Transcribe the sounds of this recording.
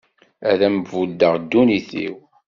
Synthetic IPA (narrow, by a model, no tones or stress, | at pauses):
æðæməvud̪əʁd̪ːuniθḭw